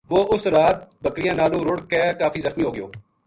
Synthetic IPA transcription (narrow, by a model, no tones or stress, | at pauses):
ʋoːʔʊsɾaːt̪̚bəkɾɪjãːnaːlũːɾʊɽkeːkaːfiːzəxmiːɦoːɡɪjo̰ː